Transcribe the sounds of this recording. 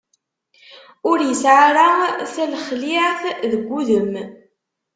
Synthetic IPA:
ʊɾjəsʕaɾaθælχliʕθðəɡʷːuðəm

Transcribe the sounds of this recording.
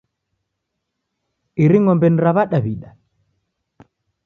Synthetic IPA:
ʔiɾiŋɔmbɛnɾaβaɗaβiɗa

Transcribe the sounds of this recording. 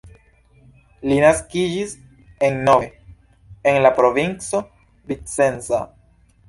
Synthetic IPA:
linaskid͡ʒis | e̞nːoe | enlapɾo̞vint͡so̞ | bit͡se̞nza̰

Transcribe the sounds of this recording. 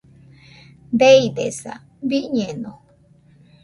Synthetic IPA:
d̪eid̪esa̰ | βiʔɲẽnõ

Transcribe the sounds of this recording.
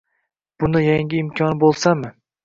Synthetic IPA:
b̥ʊnɪjaŋɡʲɪːmkʲʰɒnbolˠsamɪ

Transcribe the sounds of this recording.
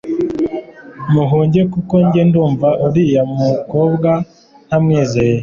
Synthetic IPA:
muɦuːɲɟe̞kuko̞ɲɟenduːɱvaʔuɾijamuko̞ːbɡa | n̥hamŋeːzeje

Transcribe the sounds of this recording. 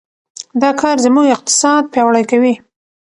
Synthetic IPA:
d̪ɑkʰɑɾzəmuɡɪq̚t̪ɪ̥sɑd̪̚pjɑwɽajkawi

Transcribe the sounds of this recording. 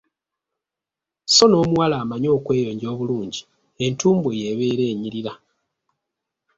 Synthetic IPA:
so̞no̞ːmuwalaːmaɲo̞ːkwe̞ːjo̞ːɲɟo̞ːβuluːɲɟi | e̞ntuːmbeje̞βe̞ɾe̞ːɲiɾiɾa

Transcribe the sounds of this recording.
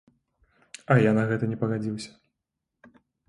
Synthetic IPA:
ɐjanɐɣɛt̪ɐnʲɛpɐɣad͡zʲiwsʲɐ̥

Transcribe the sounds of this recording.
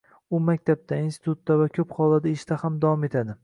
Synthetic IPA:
ʊmakʲt̪ʰab̚d̪ʰainsɪ̥t̪ut̪ːavakʲʰɵphɒlˠad̪eʃt̪ahamd̪avɒme̞t̪ʰad̪ɪ

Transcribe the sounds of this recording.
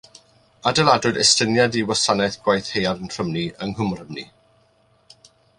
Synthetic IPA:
adəlˠadʊdɛstənjadiwasanɛθɡ̥wajθhejaɾənr̥əmniəŋhʊmrəmnḭ

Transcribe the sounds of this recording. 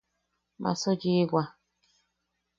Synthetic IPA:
ma̰sɔɡiɡʷa

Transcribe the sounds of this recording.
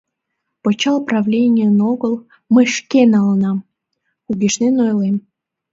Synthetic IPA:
pot͡ɕɑlprɑvlʲenʲiənoɣəlˠ | məʃkenɑlnɑm | uɣʲiʃnenojlem

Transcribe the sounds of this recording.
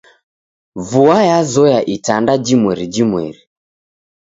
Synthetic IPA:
vuajazɔjaʔitandad͡ʒimwɛɾid͡ʒimwɛ̰ɾi

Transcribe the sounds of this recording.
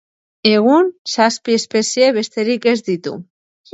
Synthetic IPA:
eɣunsaspiespesjeβest̪eɾikezd̪it̪ṵ

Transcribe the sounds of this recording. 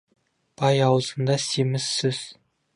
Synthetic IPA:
b̥ɑjɑwəzənd̪ɑsemɪsːɪz̥

